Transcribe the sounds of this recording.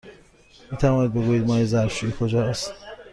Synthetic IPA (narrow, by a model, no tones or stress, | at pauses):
miːt̪ʰævɒːniːd̪̚be̞ɡuːjiːd̪mɒːjezæɾʃuːikʰod͡ʒɒːæst̪